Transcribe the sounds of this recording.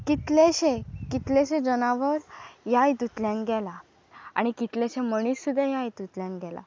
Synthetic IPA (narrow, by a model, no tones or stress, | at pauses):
kit̪leɕekit̪leɕẽd͡zənaʋəɾjajt̪ut̪ljãnɡɛla | a̰ɽ̃ikit̪lẽɕeməɽ̃isːud̪ʱajajt̪ut̪ljãnɡɛla̰